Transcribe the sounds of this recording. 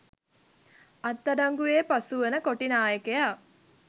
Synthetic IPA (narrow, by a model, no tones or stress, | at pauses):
at̪ːɐdaŋɡuʋeːpasuʋənəkoʈinaːjəkeja